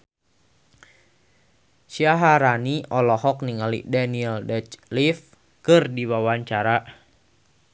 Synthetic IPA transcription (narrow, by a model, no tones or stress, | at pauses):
siaɦaɾaniʔɔlɔhɔk̚niŋalḭdaniɛldɛt͡ʃlif | kɨrdiwawaɲt͡ʃaɾa